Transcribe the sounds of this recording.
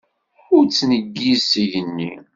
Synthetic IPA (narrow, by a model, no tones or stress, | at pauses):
ʊɾt͡sːnəɡːisʝənːḭ